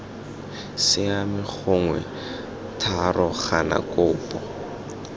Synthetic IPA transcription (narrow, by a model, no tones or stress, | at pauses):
sɪamɪk͡xʰʊŋwɛ̰ | tʰarʔɔχana̰kʼʊːpʼɔ